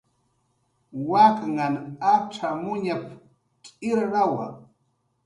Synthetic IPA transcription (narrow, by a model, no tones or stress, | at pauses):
wakŋanaʈ͡ʂamʊɲap | kʼɪɾɢɑwa